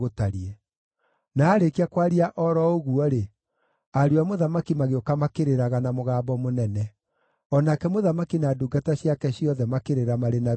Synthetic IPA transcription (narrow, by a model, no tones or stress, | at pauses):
ɣotaɾiɛ | naːɾekiakwaɾiaʔɔɾɔoɣuɔɾe | aɾiamoðamakimaɣeokamakeɾeɾaɣanamoɣaːbɔmonɛnɛ | ɔnakɛmoðamakinaduɡataɕjakɛɕiɔðɛmakeɾeɾamaɾena